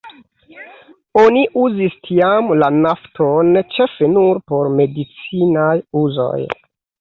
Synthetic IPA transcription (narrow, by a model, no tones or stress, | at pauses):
oniʔuzistʰiamlanaftʰont͡ʃe̞fe̞nuɾpo̞ɾme̞dit͡sinajuzo̞̰j